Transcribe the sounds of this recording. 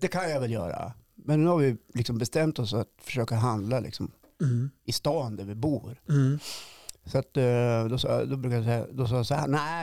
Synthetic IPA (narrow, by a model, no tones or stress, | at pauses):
d̪ɛkʰanjavɛljœ̰ːɾa̰mɛnːʉːhaɾvɪlɪksɔmbɛst̪ɛmt̪ɔsat̪fœ̥ʂøːkaɦand̪lalʔɪ̰ksɔm | ɪst̪ɑːnd̪æɾvɪbuːɾ | sɔat̪d̪ɔsɑ̰ːd̪ɔbɾʉːkajasɛja̰d̪ɔs̬ɑːjasɔhæ̰ːnæɪ